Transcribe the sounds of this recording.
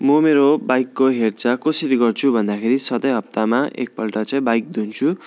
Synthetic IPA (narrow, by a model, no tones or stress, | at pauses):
mʌmeɾobajkːoɦert͡sʌkosiɾiɡʌrt͡sʰubʱʌnd̪akʰeɾisʌd̪ʌjɦʌp̚t̪amaʔʔḛk̚pʌlʈʌt͡sʌĩbajk̚d̪ʱunt͡sʰu